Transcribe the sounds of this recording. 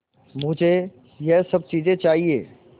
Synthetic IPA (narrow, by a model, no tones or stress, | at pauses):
mʊd͡ʒʱe | jɛsɐb̚t͡ʃiːzẽt͡ʃaːɦiḛː